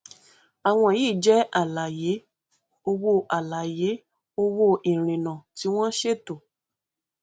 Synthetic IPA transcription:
a˨w̃ɔ̃˧˨jiː˦˨d͡ʒɛ˨˦ʔa˨la˨je˨˦ | o˧wo˧ʔa˨la˨je˨˦ | o˧wo˧ʔi˨ɾ̃ĩ˨nã˨ti˨˦w̃ɔ̃˦ʃe˦˨to˨

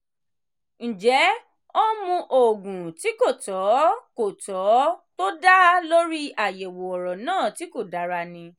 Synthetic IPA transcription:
n̩˨d͡ʒɛ˨˦ | o˦mũ˧ʔo˨ɡũ˨ti˨˦ko˦˨tɔ˨˦ko˨tɔ˨˦to˦da˦lo˦ɾi˦a˨jɛ˨wo˨ɔ˨ɾɔ˨nãː˦˨ti˨˦ko˦˨da˨˦ɾa˧nĩ˧

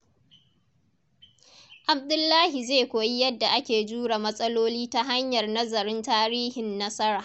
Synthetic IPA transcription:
ʔa˨b̚dʊ˦lːaː˦hi˨zeː˦˨kʷoː˨ji˦jɐ˦dːa˨ʔa˦kʲeː˨d͡ʒuː˦ɽa˨mɐ˦sʼɐ˦loː˦liː˦ta˦ɦa˦ɲjɐ˨rnɐ˦zɐ˨ɾɪ˦ntaː˦ɾiː˦hɪ˨nːɐ˦sɐ˦ɾaː˨

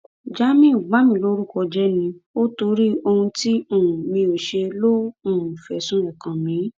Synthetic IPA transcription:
d͡ʒa˨˦mĩ˦˨u˨ɡ͡ba˨˦mĩ˧˨lo˦ɾu˦kɔ˧d͡ʒɛ˦nĩ˧o˦to˧ɾi˦o˧hũ˧ti˦o˦˨ũ˨mĩ˧o˨ʃe˧lo˦o˦˨ũ˨fɛ˨sũ˦ɛ˨kã˨mĩ˨˦

